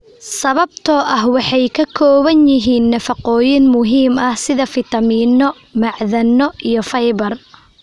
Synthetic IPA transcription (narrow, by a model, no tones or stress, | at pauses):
sɐβɐbt̪ʰɔːʔɐɦwɑħɑjkʰɐkʰɔːβɐnjɪɦiːnːɐfɐqɔːjɪnmʊɦiːmɐhsɪðɐfɪt̪ʰɐmiːnɔ | mɑʕðɐnɔijɔfɐjβɐr